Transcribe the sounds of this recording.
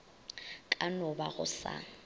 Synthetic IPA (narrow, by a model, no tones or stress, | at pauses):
kʼanɔbaɣʊ̰sa̰ːŋ̩